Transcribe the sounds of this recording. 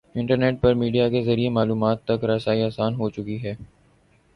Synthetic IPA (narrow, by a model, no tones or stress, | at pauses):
ɪ̃ɳʈəɾneːʈ̚pɐɾmiːɖijakezɐɾiemaːluːmaːt̪ːɐkɾɐsaːiaːsaːnɦot͡ʃʊkiɦɛː